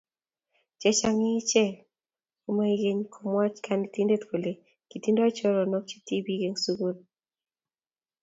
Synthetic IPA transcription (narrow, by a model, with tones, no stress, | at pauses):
t͡ʃɛ˦t͡ʃa˦ŋɪ˦t͡ʃɛ˦˨ | u˨˦ma˦i˦ɡe˦ɲkʰo˨mwa˦t͡ʃkʰa˨nti˦nde˦t̪ko˨le˨ | ki˨ti˦ndɔ˦t͡ʃɔ˦ɾɔ˨nɔ˦k̚t͡ʃi̥˦ti˦bi˦ɡe˨ŋsu˦ɡu˦l